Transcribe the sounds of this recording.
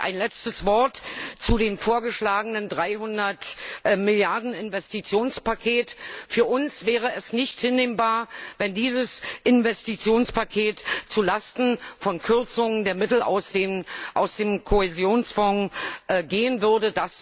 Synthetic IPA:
ʔa̰ɪnlɛt͡stəsv̥ɔɐtt͡sudeːmfoːɐɡəʃlaːɡənəndʁaɪɦʊndɐtmɪljaɐdn̩ɪnvɛstit͡sjoːnspakʰeːtfyːɐʔʊnsv̥ɛːʁ̞əɛsnɪçthɪnːeːmbaːɐvɛndiːzəsʔɪnvɛstit͡sjoːnspʰakʰeːtt͡sulastn̩fɔnkʰʏɐt͡sʊŋəndeːɐmɪtl̩a̰ʊsʔaʊsd̥eːmkʰohɛzjoːnsfɔŋʔɡeːənvʏɐdədas

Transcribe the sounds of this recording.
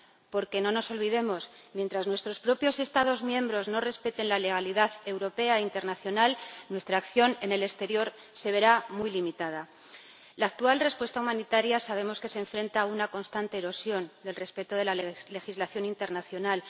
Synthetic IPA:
po̞ɾke̞no̞no̞so̞lβiðe̞mo̞s | mje̞nt̪ɾaznwe̞st̪ɾo̞spɾo̞pjo̞se̞st̪aðo̞zmjẽ̞mbɾo̞zno̞re̞spe̞t̪e̞nlale̞ɣ̞aliðaðe̞wɾo̞pe̞aint̪e̞ɾnaθjo̞nalnwe̞st̪ɾaːkθjo̞ne̞ne̞le̞st̪e̞ɾjo̞ɾ | se̞βe̞ɾamujlimit̪að̞a | laːk̚t̪ualre̞spwe̞st̪aumãnit̪aɾjasaβ̞e̞mo̞ske̞se̞ɱfɾẽ̞nt̪aːunako̞nst̪ant̪e̞ːɾo̞sjo̞nd̪e̞lre̞spe̞t̪oðe̞lale̞xizlaθjo̞nint̪e̞ɾnaθjo̞nal

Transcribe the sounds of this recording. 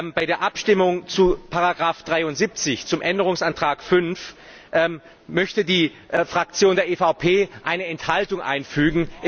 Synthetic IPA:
baɪɾeːɐʔapʃtɪmʊŋt͡supʰaʁaɡʁaːfd̥ʁaɪʊntz̥iːp̚t͡sɪçt͡sʊmʔɛndəʁ̞ʊŋsʔantʁ̥aːkfʏnf | ʔɛ | mœçtədiː | ʔfʁ̥ak̚t͡sjoːndeːɐeːfaʊpʰeːʔaɪnəɛnthaltʊŋʔa̰ɪnfyːɡŋ̩ʔɪ

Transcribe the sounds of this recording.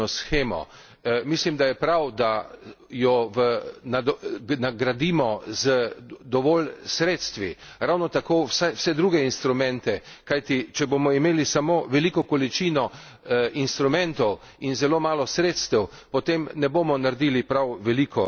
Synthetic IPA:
ɔsxeːmɔ̰ | mislimd̪ajɛpɾawd̪a | jɔʋənanaɡɾad̪iːmɔzəd̪ɔʋɔːlsɾeːt̪st̪ʋiɾawnɔt̪akoːwsawsɛd̪ɾuːɡɛinst̪ɾumɛ̃nt̪ɛ | kajt̪it͡ʃɛbomɔimeːlisamoːʋɛlikɔkɔlit͡ʃiːnɔ | inst̪ɾumɛ̃nt̪ɔw | inzɛlomaːlɔsɾeːt̪st̪ɛw | pɔt̪emnɛbomɔnaɾd̪iːlipɾawʋɛlikʰɔ

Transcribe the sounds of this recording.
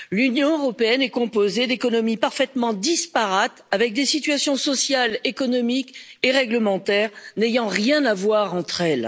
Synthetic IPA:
lynjɔ̃øʁɔpeɛnɛkɔ̃pozed̪ekɔnɔmipaʁfɛt̪mɑ̃d̪ispaʁat̪avɛk̚d̪esit̪ɥasjɔ̃sɔsjalekɔnɔmik | eʁɛɡləmɑ̃t̪ɛːʁnejɑ̃ʁjɛ̃navwaʁɑ̃t̪χɛl

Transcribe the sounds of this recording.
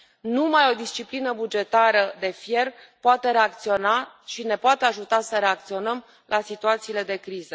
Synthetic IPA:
numajo̞d̪ist͡ʃiplinəbud͡ʒe̞t̪aɾəd̪e̞fje̞rpoat̪e̞ɾe̞ak̚t̪sio̞na | ʃine̞poat̪eaʒut̪asəɾe̞ak̚t̪sio̞nəm | lʔasit̪uat̪siːle̞d̪e̞kɾizə

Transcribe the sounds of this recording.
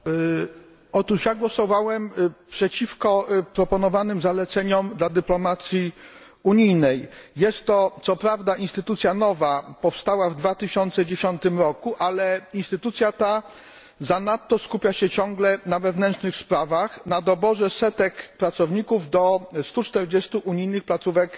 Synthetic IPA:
ɔt̪uʂjaɡwɔsɔvawɛmpʂɛt͡ɕifkɔpɾɔpɔnɔvanɘmzalɛt̪sɛɲɔmd̪lad̪ɘplɔmat̪sʲji | uɲijnɛjjɛst̪ːɔt̪sɔpɾavd̪aʔinst̪ɘt̪ut̪sʲjanɔvapɔfst̪awavd̪vat̪ɘɕɔnt̪sɛd͡ʑeɕɔnt̪ɘmɾɔkuʔalɛinst̪ɘt̪ut̪sʲjat̪a | zanat̪ːɔskupʲjaɕɛt͡ɕɔŋɡlɛnavɛvnɛntʂnɘxspɾavaxnad̪ɔbɔʐɛsɛt̪ɛkpɾat̪sɔvɲikuvd̪ɔst̪ut͡ʂt̪ɛɾd͡ʑɛst̪uʔuɲijnɘxplat̪suvɛk

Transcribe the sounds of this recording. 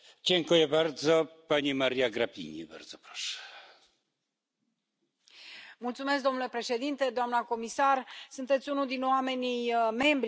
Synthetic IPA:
d͡ʑeŋkujɛbaɾd̪zɔpaɲimaɾjaɡɾapʲḭɲḭba̰ɾd̪zɔpɾɔ̥ʂɛ̥ | mult̪sume̞sk̚d̪o̞mnulepɾe̞ʃe̞d̪int̪e̞d̪oamnəko̞misarsunt̪et̪sʲunud̪inoame̞nʲijme̞mbɾ

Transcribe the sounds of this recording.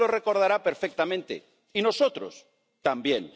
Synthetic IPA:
ore̞ko̞ɾðaɾapeɾfek̚t̪amẽnt̪ḛ | ino̞sot̪ɾo̰s | t̪ambjẽŋ

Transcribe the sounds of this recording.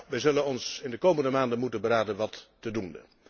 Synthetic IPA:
ʋɛjzɵlənɔnsɪndəkowməndəmaːndənmutənbəɾaːdənʋɑtːədunə̰

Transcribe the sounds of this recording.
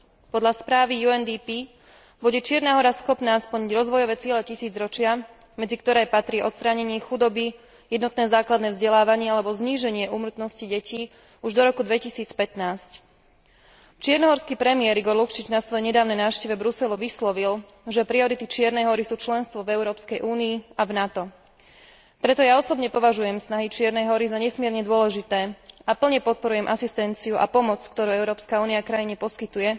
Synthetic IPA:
pɔd̪ʎaspɾaːʋijuɛnd̪ipi | buɟɛt͡ʃɪɛɾnaːɦɔɾasxɔpnaːspl̩ɲiɟɾɔzʋɔjɔʋɛːt͡sɪɛlɛcisiːd͡zɾɔt͡ʃɪa | mɛd͡zikt̪ɔɾɛːpat̪ɾiʔɔt̪st̪ɾaɲɛɲɪɛxud̪ɔbi | jɛd̪nɔt̪̚nɛːzaːklad̪nɛːvzɟɛlaːʋaɲɪɛalɛbɔzɲiːʒɛɲɪɛʔuːmɾ̩t̪nɔsciɟɛciː | uʒd̪ɔɾɔkud̪ʋɛcisiːt͡spɛt̪naːsc | t͡ʃɪɛɾnɔɦɔɾskiːpɾɛmɪɛɾiɡɔɾlukt͡ʃid͡ʒnasʋɔjɛɲɛd̪aːʊnɛjnaːʊʃcɛʋɛbɾusɛluʋislɔʋil | ʒɛpɾiɔɾit̪it͡ʃɪɛɾnɛjɦɔɾisuːt͡ʃlɛnst̪ʋɔvɛʊɾɔːpskɛjʔuːniːavnat̪ɔ | pɾɛt̪ɔjaɔsɔbɲɛpɔʋaʒujɛmsnaɦit͡ʃɪɛɾnɛjɦɔɾizaɲɛsmɪɛɾɲɛd̪ʊɔlɛʒit̪ɛːapl̩ɲɛpɔt̪̚pɔɾujɛmʔasist̪ɛnt͡siuʔa̰pɔmɔt͡skt̪ɔɾuːɛʊɾɔːpskauːniakɾajiɲɛpɔskit̪ujɛ

